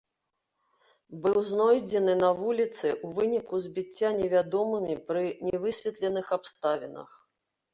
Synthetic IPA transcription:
bɨwznɔjd͡zʲɛnɨnɐvulʲit̪sɨʔuvɨnʲikuzʲbʲit͡sʲːanʲɛvʲad̪ɔmɨmʲipɾɨnʲɛvɨsʲvʲɛt̪lʲɛnɨxapst̪avʲɛnɐ̰x

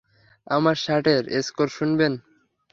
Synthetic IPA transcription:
amaɾʃaʈeɾḛskoɾʃunben

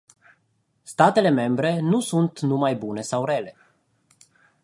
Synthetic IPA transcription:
st̪at̪e̞le̞me̞mbɾe̞nusunt̪numajbune̞sawɾeale̞

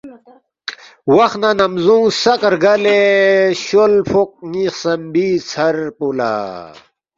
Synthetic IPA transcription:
wɐxnanɐmzũːsɐkɾɡɐleɕolfʰok̚nixsɐmbiːt͡sʰɐɾpula̰

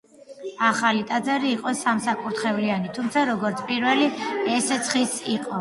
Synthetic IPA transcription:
aχalit̪ʼad̪zaɾiːqʼɔsamsakʼuɾt̪χɛvlianit̪ʰumt̪sʰaɾɔɡɔɾt̪sʰpʼiɾvɛliɛsɛt̪sʰχisiqʼɔ

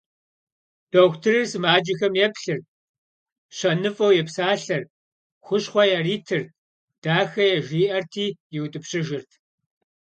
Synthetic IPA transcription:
d̥owxʷtʰɨrɨrsɨmaːd͡ʒɪxɐmjɛpɬɨr | ɕɐnɨfʼɐwjɛpsaːɬɐr | xʷʊɕχʷɔjariːtʰɨr | d̥aːxɐjɛʒiːʔɐrtʰiːjɛwʊtʼɨpɕɪʒɪrtʰ

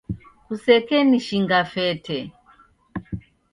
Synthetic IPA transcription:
kusɛkɛniʃiŋɡafɛtʰɛ

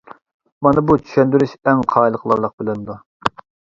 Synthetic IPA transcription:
mɑnɨbut͡ʃʰy̥ʃɛnd̪yɾyʃɛŋqʰɑːjlˠəqʰlˠɑ̰ɾlˠəq̚bɪlɪnd̪u

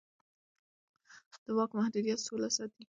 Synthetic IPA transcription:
d̪̥əwɑkmahd̪ud̪ijat̪solasɑt̪i

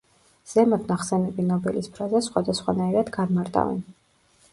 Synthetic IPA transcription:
z̥ɛmat̪ʰnaχsɛnɛbinɔbɛlispʰɾazasχwad̪asχwa̰naiɾad̪ɡanmaɾt̪ʼa̰vɛ̰n

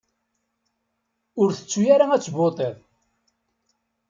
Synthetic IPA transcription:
ʊɾθə̥t͡sːujaɾaæt͡sːbot̪ˤeðˤ

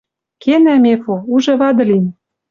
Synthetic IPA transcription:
kenæmefouʒɤ̆βɑd̪ɤ̆lin

